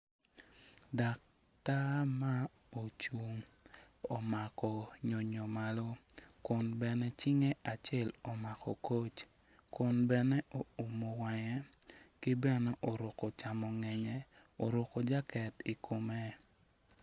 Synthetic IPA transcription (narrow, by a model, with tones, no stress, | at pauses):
da˨k̚ | ta˦ma˦ | o˨t͡ʃu˨ŋ | o˨ma˨kɔ˨ɲo˨ɲo˨ma˨lo˦kʊ˨nbɛ˨nɛ˦t͡ʃɪ˦ŋe˦ʔa˨t͡ʃɛ˦lo˨ma˨kɔ˨ko˦t͡ʃ | kʊ˨nbɛ˨nɛ˦ʔo˨u˨mo˨wa˨ŋɛ˦kɪ˦bɛ˨nɔ˦ʔo˨ɾo˨ko˨t͡ʃa˨mɔ˨ŋɛ˨ɲɛ˦ | o˨ɾo˨ko˨d͡ʒa˦kɛ˨ti˨kʰo˨me˦